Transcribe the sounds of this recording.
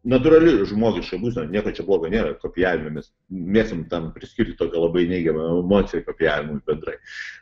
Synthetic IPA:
nɐt̪ʊːɾɐlʲɪʒmoːɡʲɪʃkɐbuːsʲnɐnʲiɛkoːt͡ʃʲɛblˠoːɡɐnʲeːɾɐkoːpʲɪjæːʋʲɪmʲɛmʲɛs | mʲeːsʲɪmt̪ɐnpʲɾʲɪsʲkʲɪɾʲtʲɪt̪oːkʲɛlˠɐbɐɪnʲɛɪɡʲɛmɐɛmoːt̪sʲɪjɛkoːpʲɪjæːʋʲɪmɐbʲɛnd̪ɾɐɪ

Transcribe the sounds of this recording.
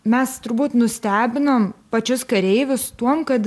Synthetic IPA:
mʲɛst̪ʊɾbuːt̪nʊsʲt̪ʲæːbʲɪnompɐt͡ʃʲʊskɐɾʲɛɪʋʲʊst̪uɔmkɐt̪

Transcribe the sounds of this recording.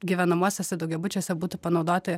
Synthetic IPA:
ɡʲiʋʲɛnɐmuɔsʲɛsʲɛd̪ɐʊɡʲɛbʊt͡ʃʲoːsʲɛbuːt̪ʊpɐnɒʊd̪oːt̪ʲɐ

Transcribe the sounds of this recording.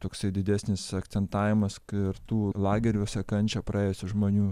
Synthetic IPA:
t̪oːksɐɪd̪ʲɪd̪ʲæːsʲnʲɪsɐkt̪sʲɛnt̪ɑːʋʲɪmɐsɪrt̪uːlˠɑːɡʲɛɾʲoːsʲɛkɐnʲt͡ʃʲɛpɾɐeːjɛsʲɪʒmoːnʲuː

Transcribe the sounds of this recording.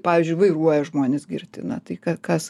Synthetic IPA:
pɑːʋʲiːzʲd͡ʒʲʊɪʋɐɪruɔjɛʒmoːnʲɪsɡʲɪrʲt̪ʲɪnɐt̪ɐɪkɐkɐs

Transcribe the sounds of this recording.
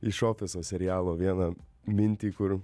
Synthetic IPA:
ɪʃoːfʲɪsoːsʲɛɾʲɪjaːlˠoːʋʲiɛnɐ | mʲɪnʲt̪ʲiːkʊɾ

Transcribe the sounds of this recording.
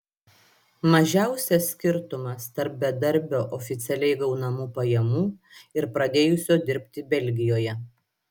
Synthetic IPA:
mɐʒʲæˑʊsʲɛsːʲkʲɪɾt̪ʊmɐst̪ɐɾp̚bʲɛd̪ɐɾʲˑbʲoːʔɔfʲɪt̪sʲɛlʲɛɪɡɐʊnɐmuːpɐjɛmuː | ɪɾpɾɐd̪ʲeːjʊsʲoːd̪ʲɪɾʲpʲt̪ʲɪbʲɛlʲɡʲɪjoːjɛ

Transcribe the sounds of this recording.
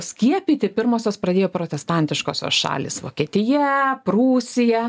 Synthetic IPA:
sʲkʲiɛpʲiːt̪ʲɪpʲɪɾmoːsʲoːspɾɐd̪ʲeːjoːpɾoːt̪ʲɛst̪ɑnʲt̪ʲɪʃko̰ːsʲo̰ːsʃɑ̰ːlʲḭːsʋo̰ːkʲiɛt̪ʲɪjɛpɾuːsʲɪjɛ

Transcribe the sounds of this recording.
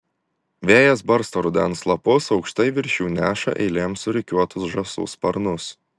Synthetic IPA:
ʋʲeːjɛsbɐɾst̪oːɾʊd̪ʲɛ̰nslˠɐpʊsɒʊkʃt̪ɐɪʋʲɪɾʲʃʲuːnʲæːʃɐ̰ʔɛ̰ɪlʲeːmsʊɾʲɪkʲuɔt̪ʊsʒɐsʊ̰spɐɾnʊs

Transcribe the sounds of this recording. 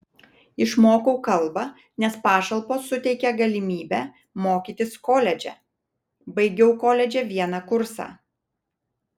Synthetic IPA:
ɪʃmoːkɔʊkɐlˠbɐ | nʲɛspɑːʃɐlˠpoːsʊt̪ʲɛɪkʲɛɡɐlʲɪmʲiːbʲæ | moːkʲiːt̪ʲɪskoːlʲɛd͡ʒʲɛ̰ | bɐɪɡʲɛʊkoːlʲɛd͡ʒʲɛʋʲiɛnɑkʊɾsɑ̰ː

